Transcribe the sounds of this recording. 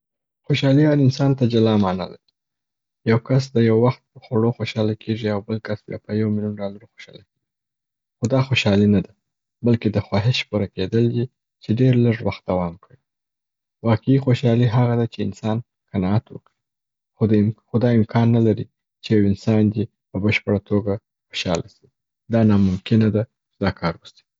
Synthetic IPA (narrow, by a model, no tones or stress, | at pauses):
xoʃɑliɑnɪnsɑnt̪ad͡ʒalɑmɑna̰la̰ɾi | jawkas̬d̪əjawːaxt̪̚pəxaɽoxoʃɑlakʰeʐiawbəlkasbjɑ̰pəjawmɪljunɖɑlaɾoxoʃɑ̰lakeɡi | xod̪ɑxoʃɑlinad̪a | balked̪əxwɑɦeʃpuɾaked̪əld̪i | t͡ʃeɖeɾləʐwaxt̪̚d̪awɑmkəɽi | wɑqeixoʃɑliɦaɣad̪at͡ʃeɪnsɑn | kanɑat̪wə̰kɽi | xxod̪ɑɪmkʰɑnːalaɾi | t͡ʃejawɪnsɑnd̪i | pəbəʃpəɽat̪ʰoɡa | xoʃɑ̰lʔasi̥ | d̪ɑnɑmʊmkɪnad̪a | t͡ʃd̪ɑkʰɑɾwusi̥